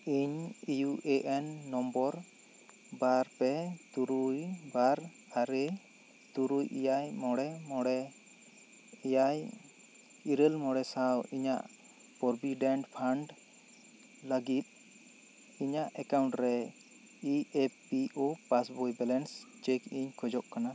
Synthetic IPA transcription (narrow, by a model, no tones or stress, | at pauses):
iɲijuʔeʔɛnːɔmbɔɾ | baɾpɛt̪uɾujbaɾ | aɾɛ | t̪uɾujʔḭjajmɔɽɛmɔɽɛ | ijaj | iɾəlmɔɽɛsawiɲa̰ʔ | pɔɾbiɖɛɳʈpʰaɳɖ | laɡit̪̚ | iɲaʔɛkawɳʈɾɛ | iepiʔopasbɔjbɛlɛnst͡ʃekiɲkʰɔd͡ʒɔʔkana